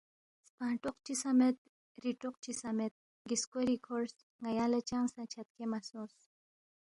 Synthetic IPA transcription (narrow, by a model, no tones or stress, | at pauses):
spaːɳʈuqt͡ʃisɐmet̪̚ | ɾiʈuq̚t͡ʃisɐmet̪̚ | ɡiskoɾikʰoɾs | ŋɐjaːlɐt͡ʃaŋsɐ̃t͡ʃʰɐt̪̚kemɐsus